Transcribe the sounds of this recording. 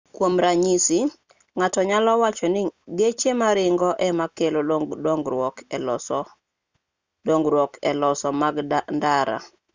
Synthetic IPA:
kwomɾaɲisi | ŋatɔɲalɔwat͡ʃɔnɪɡet͡ʃemaɾɪŋɡɔʔɛmakeloŋɡɔk | dɔŋɡɾwɔkɛlɔsɔmaɡdandaɾa̰

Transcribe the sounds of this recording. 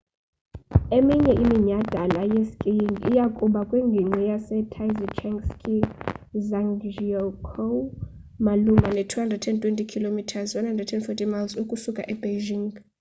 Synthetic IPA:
emiɲɛʔimiɲad̥ʱalajeskʼijiŋɡḭjakʼuɓakʼweŋɡʱiŋ͡ǀʱijasɛtʰajzit͡ʃʰɛŋskʰʼizaŋʒɔkʰo | malumʱanɛtʰuhandrɛdtʰɛntʼwɛntʼikʰilomitʰazwandhandrɛdtʰɛnfɔtʼʰimalzukʼusukʼaʔɛbeʒiŋ

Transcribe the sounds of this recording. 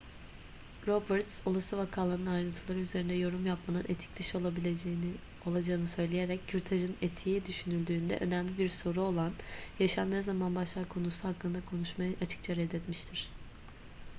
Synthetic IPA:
ɾobɛɾt̪solˠasɯvakʰaːlˠaɾnɯnajɾɯnt̪ʰɯlˠaɾɯyze̞ɾind̪ɛjo̞ɾumjapmanɯnet̪ʰi̥c̚d̪ɯʃo̞lˠabilʲed͡ʒejni | o̞lˠad͡ʒaɯnɯsø̞jlʲeje̞ɾɛcːʰyɾt̪ʰaʒɯnet̪ʰijid̪yʃynylʲd̪yːnd̪ɛ̰ʔø̞næmlʲibiɾso̞ɾuo̞lˠanjaʃanːezamanbaʃlˠaɾkʰo̞nusuhakːɯnd̪akʰo̞nuʃmajɯʔat͡ʃʰɯ̥k̚t͡ʃʰaɾɛd̪ːɛt̪miʃt̪ʰiɾ̝̥

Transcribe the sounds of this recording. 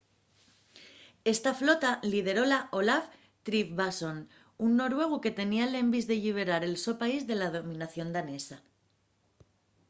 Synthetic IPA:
e̞st̪aflo̞t̪alið̞e̞ɾo̞laʔo̞laf | t̪ɾifβaso̞n | unːo̞ɾwe̞ɣ̞uke̞t̪e̞niale̞mbizðe̞ʎiβ̞e̞ɾaɾe̞lso̞paizðe̞lað̞o̞mĩnaθjo̞nd̪ane̞sa

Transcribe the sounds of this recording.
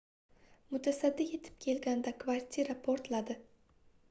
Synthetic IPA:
mʊt̪ʰasad̪ːɪje̞t̪ʰɪ̥p̚kʲʰe̞lɡʲand̪akʰvaɾt̪ʰʲiɾapʰoɾt̪lad̪ɪ

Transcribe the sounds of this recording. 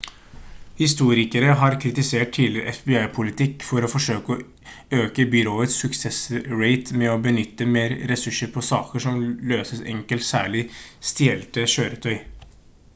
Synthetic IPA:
hɪst̪uːɾɪkəɾəɦɑɾkʰɾɪt̪ɪseːʈ̚t̪ʰiːləɾʔɛ̰fbɪɑɪpʰʊlɪt̪ʰɪkːfɔɾɔfɔʂøːkəɔ | øːkəbʏɾoːət̪ssʉksɛsɾeɪt̪mɛɔbənʏt̪ːəmeːɾɾɛsʉʂːəɾpʰɔsɑ̰ːkəʂɔmløːsəsɛ̰ŋkəlt̪sæ̰ːɭɪst̪ɪɛlt̪əɕøːɾət̪ʰœʏ

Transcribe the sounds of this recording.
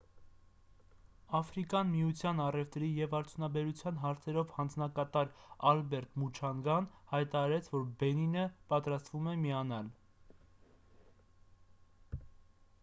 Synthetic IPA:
ɑfɾikjɑnmijut͡sʰjɑnɑrɛft̪ɾijɛvɑɾt͡sʰjunɑbɛɾut͡sʰjɑn̪ɦɑɾt͡sʰɛɾɔvhɑnd͡znɑkɑt̪ɑɾɑlbɛɾt̪mut͡ʃʰɑŋɡɑnhɑjt̪ɑɾɑɾɛt͡sʰvɔɾbɛninəpɑt̪ɾɑst̪vumɛmiɑnɑl

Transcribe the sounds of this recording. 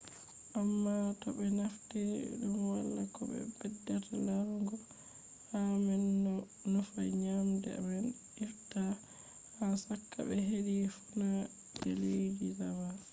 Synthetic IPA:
ʔamːatɔbɛnaftiɗumwalːakɔbɛ̰bɛdːɛtalaɾɡɔ | hamɛn | nɔfaɲamdɛ̰mɛn | ʔiɾta | hasakːa̰bɛɦedifuna | dɛlejd͡ʒizama

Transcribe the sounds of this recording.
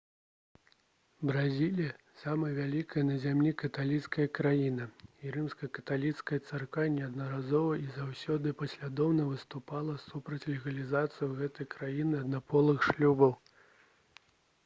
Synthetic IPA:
bɾazʲilʲijɐ | samɐjɐvʲalʲikɐjɐnɐzʲamlʲikɐt̪alʲit̪skɐjɐkɾajinɐiɾɨmskɐkɐ̥t̪alʲit̪skɐjɐt̪sarkanʲːɛɐd̪nɐɾazɔvɐʔizawsʲɔd̪ɨpɐsʲlʲad̪ɔwnɐvɨst̪upalˠɐsupɾɐt͡sʲlʲɛɣɐlʲizat̪sɨjɐwɣɛt̪ɐjkɾajinɨɐd̪napʰɔlˠɨxʂlʲubɐw

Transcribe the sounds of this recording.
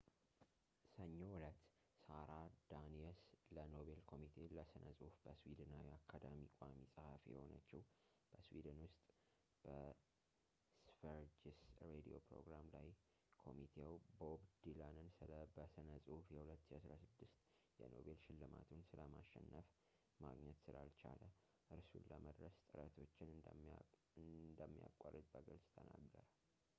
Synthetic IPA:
səɲːo̞wʊlət̪ː | saɾad̪̥aniɛsləno̞βe̞lkʰo̞mit̪ʰe̞ləsɨnʔəsʼɨhufbəswid̪ɨnawiakʰːad̪amikʷʼamisʼəhafijɛho̞nət͡ʃːɪh | b̥əswḭd̪ɨnwʊst̪ʼ | b̥ə | sfəɾd͡ʒisɾed̪ijo̞̰pɾo̞̰ɡɾamlaj | kʰo̞mit̪ʰewbobd̪ilanɨnsɨləbəsɨnəsʼɨhufjɛhulət̪ːʃiasɾasɨd̪ːɨst̪jɛno̞̰βe̞lʃɪlːɨma̰t̪ʰunsɨləmaʃːɛnːəf | maɡɲɛt̪sɨlalt͡ʃalə | ʔɨɾsunlːəməd̪ɾəst̪ʼɨɾət̪ʰo̞t͡ʃːɪnɨ | ɨd̪əmːija̰kʼːarːɨt̪ʼbəɡəlsʼt̪ʰəna̰ɡəɾə

